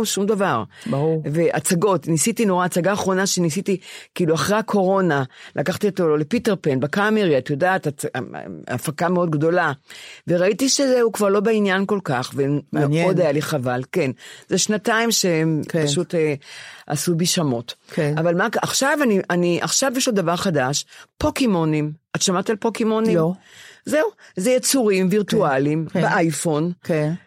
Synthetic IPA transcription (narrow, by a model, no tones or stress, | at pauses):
ʃumd̪avaʁbuveʔat͡saɡo̞tnisitino̞ʁaːt͡saɡaːχʁo̞naʃenisitikiiluaχʁeakʰo̞ʁo̞nalʔakaχt̪iot̪ole̞piteʁpenbekameʁiatjodaːta̰ | a̰fakameo̞d̪̚ɡdo̞lave̞ʁaitiʃezeukvaʁlobeinjanko̞lkaχvemeo̞dajaliχavalkenzeʃnataimʃempaʃutea̰subiʃamo̞tavalmaaχʃavaniʔaniʔaχʃavjeʃlod̪avaʁχadaʃpokemonimatʃamat̪alpokemonimzeuzejet͡suʁimviʁtualimbeʔajfo̞n